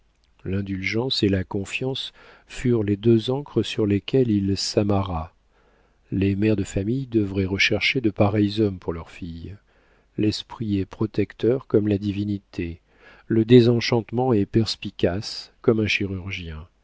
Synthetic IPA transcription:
lɛ̃d̪ylʒɑ̃selakɔ̃fjɑ̃s | fyʁled̪øzɑ̃kχəsyʁlekʲɛlilsamaʁa | lemɛʁd̪əfamijd̪əvʁɛʁəʃɛʁʃed̪əpaʁɛjzɔmpuʁlœʁfij | lɛspχiɛpχɔt̪ɛkt̪œʁkɔmlad̪ivinit̪ʰe | ləd̪ezɑ̃ʃɑ̃t̪mɑ̃ɛpɛʁspikʲaskɔmɛ̃ʃiʁyʁʒjɛ̃

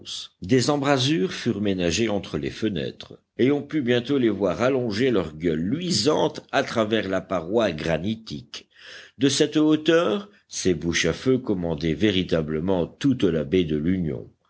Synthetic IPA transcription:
d̪ezɑ̃bʁazyːʁfyʁmenaʒeɑ̃t̪χəlḛfənɛ̰ːt̪χə | eɔ̃pybjɛ̃t̪olevwaʁalɔ̃ʒelœʁɡœlːɥizɑ̃t̪at̪χavɛʁlapaʁwaɡʁanit̪ik | d̪əsɛt̪ot̪œːʁ | sebuʃaføkɔmɑ̃d̪ɛveʁit̪abləmɑ̃t̪ut̪labed̪əlynjɔ̰̃

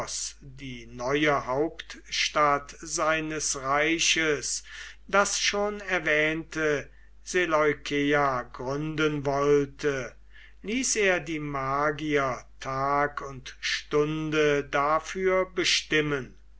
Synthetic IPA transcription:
sd̥iːnɔʏəhaʊptʃtatz̥aɪnəsʁaɪɕəsd̥asʃoːnɛɐvɛːntə | z̥elɔʏkʰeaɡʁʏndənvɔltʰə | liːseːɐdiːmaːɡiɐtʰaːkʰʊntʃtʊndədafyːɐbəʃtɪmən

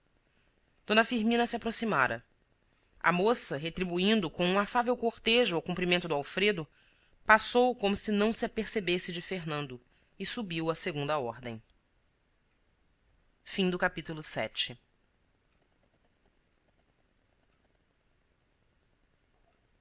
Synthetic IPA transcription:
d̪̥õnɐfiɾmĩnɐsiapɾosimaɾɐ̰ | ɐ̰mosɐɦet̪ɾibuĩnd̪ʊkõũafavewkoɾt̪eʒʊawkũmpɾimẽnt̪ʊd̪ʊawfɾed̪ʊ | pasowkõmʊsɪnɐ̃w̃siapeɾsebesɪd͡ʒɪfeɦnɐ̃nd̪ʊ | ɪsubiwɐseɡũnd̪ɐɔɾd̪ẽj̃ | fĩd̪ʊkapit̪ulˠʊsɛ̰t͡ʃɪ

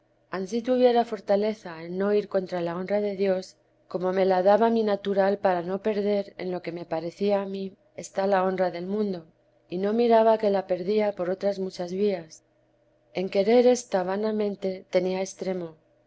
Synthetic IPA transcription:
ansit̪uβje̞ɾafo̞ɾt̪ale̞θaenːo̞iɾko̞nt̪ɾalao̞nraðe̞ðjo̞s | ko̞mo̞me̞laðaβaminat̪uɾalpaɾano̞pe̞ɾðe̞ɾe̞̰nlo̞ke̞me̞paɾe̞θiaːmi | est̪alao̞nraðe̞lmũnd̪o̞ | ino̞miɾaβake̞lape̞ɾðiapo̞ɾo̞t̪ɾazmut͡ʃazβias | e̞ŋke̞ɾe̞ɾe̞st̪aβ̞anamẽ̞nt̪e̞t̪e̞niaest̪ɾe̞mo̞

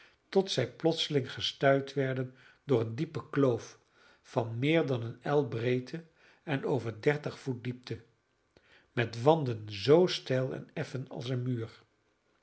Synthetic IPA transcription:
tɔtsɛjplɔtsəlɪŋχəstœɥtʋɛɹdən | dʊːɹəndipəklowf | fɑnmɪːɹdɑnənɛlˠbrejtʰə | ɛnowvəɹdɛɹtəχfut̚dip̚tə | mɛtʋɑndənzowstɛlˠɛ̰nɛfənɑ̰lˠsənmyːɹ

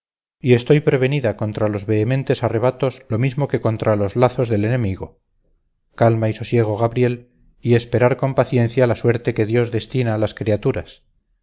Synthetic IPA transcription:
ie̞st̪o̞jpɾe̞βe̞niðako̞nt̪ɾalo̞zβe̞ːmẽ̞nt̪e̞sare̞β̞at̪o̞zlo̞mizmo̞ke̞ko̞nt̪ɾalo̞zlaθo̞zðe̞le̞nẽ̞miɣ̞o̞ | kalmaiso̞sje̞ɣ̞o̞ɣaβɾje̞l | ie̞spe̞ɾaɾko̞mpaθjẽ̞n̟θjalaswe̞ɾt̪e̞ke̞ðjo̞zðe̞st̪inaːlaskɾiat̪uɾas

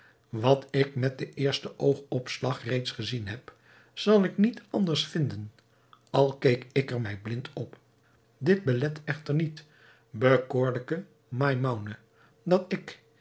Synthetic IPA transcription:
ʋɑtɪk̚mɛt̚dəʔɪːɹstəʔowχɔpslɑχrejtsχəzinɦɛp | z̥ɑlˠɪknitɑndəɹsfɪndən | ɑlˠkejkɪkəɹmɛjblɪntʰɔp | dɪd̚bəlɛtɛχtəɹnit | bəkoːɹləkə | majmawnə | dɑtɪk

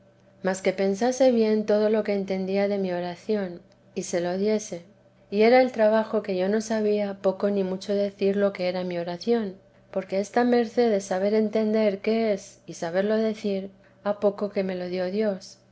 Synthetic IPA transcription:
maske̞pe̞nsase̞βje̞nt̪o̞ð̞o̞lo̞ke̞ːnt̪e̞nd̪iaðe̞mio̞ɾaθjo̞n | ise̞lo̞ðje̞se̞ | ie̞ɾae̞lt̪ɾaβ̞axo̞ke̞ʝo̞no̞saβ̞iapo̞ko̞nĩmut͡ʃo̞ðe̞θiɾlo̞ke̞e̞ɾamio̞ɾaθjo̞n | po̞ɾke̞est̪ame̞ɾθe̞ðesaβ̞e̞ɾe̞nt̪e̞nd̪e̞ɾke̞esisaβe̞ɾlo̞ðe̞θiɾ | apo̞ko̞ke̞me̞lo̞ðjo̞ðjo̞s

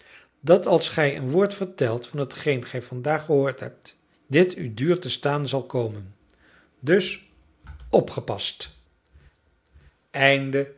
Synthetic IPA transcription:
dɑtɑlˠsχɛjə̰nʋʊːɹtfəɹtɛlˠtfɑnɦətχejnχɛjvɑndaːχəɦʊːɹtɦɛ̰p̚t | dɪtʰydyːɹtəstaːnzɑlˠkowmən | dɵs | ɔpχəpɑst | ɛjndə

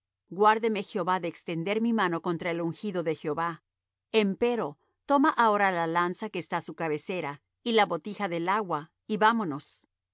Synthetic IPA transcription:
ɡwaɾðeme̞xjo̞βaðe̞ːkst̪e̞nd̪e̞ɾmimano̞ko̞nt̪ɾaeluŋxiðo̞ðe̞xjo̞βa | empe̞ɾo̞ | t̪o̞maʔao̞ɾalalansake̞ːst̪asukaβe̞se̞ɾa | ilaβo̞t̪ixaðe̞laɣwa | iβamo̞no̞s

